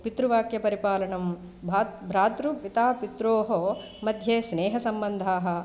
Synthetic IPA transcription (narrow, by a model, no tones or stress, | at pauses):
pit̪ɾuʋaːkjɐpɐɾipaːlɐɳɐm | bʱaːt̪bʱɾaːt̪ɾupit̪aːpit̪ɾoːɦo | mɐd̪ʱjeːsneːɦɐsɐmbɐnd̪ʱaːɦɐ